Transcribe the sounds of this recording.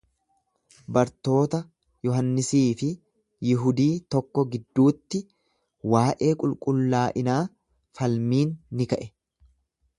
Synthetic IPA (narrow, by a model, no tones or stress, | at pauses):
bɐɾt̪o̞ːt̪ɐ | jɔɦɐnːɪsiːfɪ | jɪɦʊd̪iːt̪ɔkːɔɡɪd̪ːuːt̪ːɪ | waːʔe̞ːkʼʊlkʼʊlːaːʔɪnaː | fɐlmiːnːɪkɐʔɛ